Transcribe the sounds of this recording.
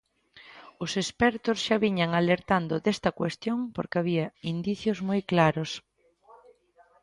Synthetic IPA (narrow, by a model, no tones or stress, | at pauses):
ʊsespɛɾt̪ʊsʃaβiɲaŋaleɾt̪and̪ʊðest̪ɐkwest̪joŋpoɾkɪaβiɐind̪iθjʊzmojklaɾʊs